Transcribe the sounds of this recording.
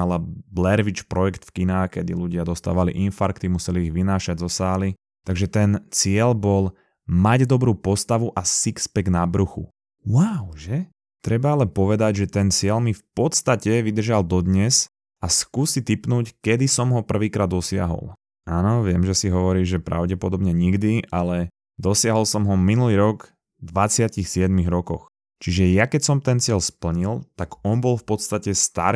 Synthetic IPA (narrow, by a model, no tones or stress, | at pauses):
alablɛɾʋit͡ʃpɾɔjɛkt̪fkinaːkɛd̪ḭluɟɪad̪ɔst̪a̰ːʋalḭʔinfaɾkt̪imusɛliːɣʋinaːʃaɟzɔsaːli | t̪aɡʒɛt̪ɛnt͡sɪɛlbɔl | maɟd̪ɔbɾuːpɔst̪aʋuʔasikspɛɡnabɾuxṵ | waʊʒɛ | t̪ɾɛbaalɛpɔʋɛd̪aɟʒɛt̪ɛnt͡sɪɛlmifpɔt̪st̪acɛʋid̪r̩ʒald̪ɔd̪ɲɛsz | askuːsit̪ipnuːckɛd̪isɔmɦɔpr̩ʋiːkɾaːd̪ːɔsɪa̰ɦɔ̰lˠ | aːnɔʋɪɛmʒɛsiɦɔʋɔɾiːʒʒɛpɾa̰ʊɟɛpɔd̪ɔbɲɛɲiɡd̪iʔalɛ | d̪ɔsɪaɦɔlˠsɔmɦɔminuliːɾɔɡ | d̪ʋat͡sɪacixsɪɛd̪miɣɾɔkɔ̰x | t͡ʃiʒɛjakɛcsɔmt̪ɛnt͡sɪɛlspl̩ɲilt̪aɡɔnbɔlfpɔt̪st̪acɛst̪a̰ɾ